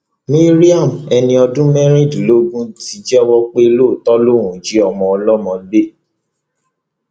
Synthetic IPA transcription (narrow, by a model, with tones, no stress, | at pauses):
mĩ˦ɾi˦a˦˨mɛ˧nĩ˧ɔ˧dũ˦mɛ˦ɾ̃ĩ˦˨dlo˦ɡũ˦ti˧˦d͡ʒɛ˦ɔ˦wɔ˦k͡pe˦e˧lo˦˨tɔ˦lo˦˨ɾ̃ũ˨d͡ʒi˨˦ɔ˨mɔ̃˨ɔ˧lɔ˦mɔ̃˧be˦˨